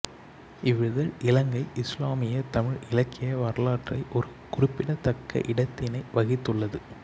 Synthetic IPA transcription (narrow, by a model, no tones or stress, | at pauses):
ɪʋɪðɐlʔɪlɐŋɡɐɪʔɪslaːmɪjɐt̪ɐmɪɻɪlɐkːɪjɐʋɐɾɐlaːʈrɐɪʔɔɾɯ | kʊrɪpːɪɽɐt̪ɐkːɐ̰ʔɪɽɐt̪ːɪnɐɪʋɐɣɪt̪ːɯɭːɐðɯ